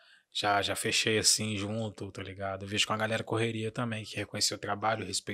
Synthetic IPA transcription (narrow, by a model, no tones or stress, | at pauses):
ʒ̥aʒafeʃejasĩʒũt̪ʊt̪aliɡad̪ʊeviʒʊ̥kõɐɡalɛɾɐkoɦeɾiɐewt̪ɐ̃mbẽj̃kɪhekõɲeseʊt̪ɾabaʎʊhespe